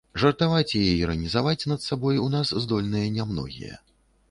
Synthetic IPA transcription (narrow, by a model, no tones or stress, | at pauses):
ʐɐrt̪avat͡sʲjajɛiɾɐnʲizavat͡sʲnɐt̪sabɔjunaszd̪ɔlʲnɨjɐnʲamnɔ̰ɣʲḭjɐ̰